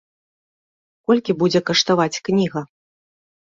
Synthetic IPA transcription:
kɔlʲkʲibud͡zʲɛkɐʂt̪avat͡sʲknʲiɣɐ

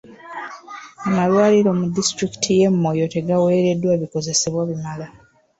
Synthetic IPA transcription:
amalwaːliɾo̞mudistɾiki̥tʰije̞mːo̞jo̞te̞ɡawe̞ːɾe̞dːwaβiko̞ze̞se̞βwaβimala

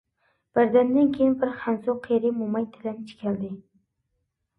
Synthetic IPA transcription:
b̥aɾd̪and̪ankʲʰejɪnbɪɾχansʊqʰeɾɪmʊmajt̪ʰɪlant͡ʃʰɪ̥kʲʰald̪ɪ

